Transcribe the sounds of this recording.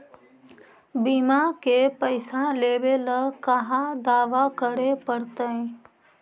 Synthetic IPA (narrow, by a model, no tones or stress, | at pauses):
biːmakepəɪsãleːʋeləkəɦãd̪aːʋakəɽepəɽt̪əẽ